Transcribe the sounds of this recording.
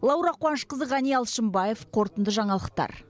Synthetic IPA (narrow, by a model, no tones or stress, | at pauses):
lˠɑwɾɑqːwɑnʃqəzəʁɑnijɑlˠʃəmbɑje̞fqʰo̞ɾt̪ənd̪əʒɑɴɑlˠəqt̪ɑ̰ɾ